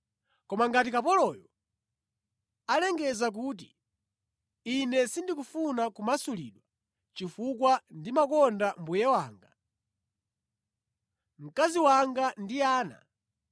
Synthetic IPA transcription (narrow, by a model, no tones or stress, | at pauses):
kɔmaŋɡatikapɔlɔjɔ | alɛŋɡɛzak̬uːt̬i | inɛsindikufunakumasulḭɗwa | t͡ʃifukwandimakɔndambujɛwaːŋɡa | m̩kaziwaŋɡandiaːna̰